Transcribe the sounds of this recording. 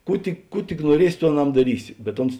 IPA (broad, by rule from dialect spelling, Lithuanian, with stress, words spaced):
ˈkuː tʲɪk ˈkuː tʲɪk nuɔˈrʲiɛsʲɪ ˈtuː ɐˈnɐm dɐˈrʲiːsʲɪ bʲɛt ˈʊns